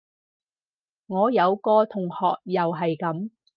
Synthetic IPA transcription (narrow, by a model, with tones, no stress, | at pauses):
ŋɔː˨˧jɐ˨˧wkɔː˧t̪ʰʊ˨˩ŋhɔː˨k̚jɐ˨wɦɐ˨jkɐ˨˥m